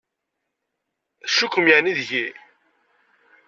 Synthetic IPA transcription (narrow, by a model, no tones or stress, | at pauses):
ʃukːəmjaniðʝi